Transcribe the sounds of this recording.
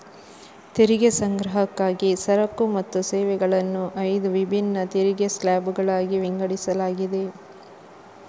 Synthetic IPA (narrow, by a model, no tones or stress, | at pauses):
t̪iɾiɡesɐŋɡɾɐɦɐkːaːɡisɐɾɐkːumɐt̪ːuseːʋɛɡɐɭɐnːuʔɐjd̪uʋibʱinːɐt̪iɾiɡeslaːbuɡɐɭaːɡiʋiŋɡɐɽisɐlaːɡid̪e̞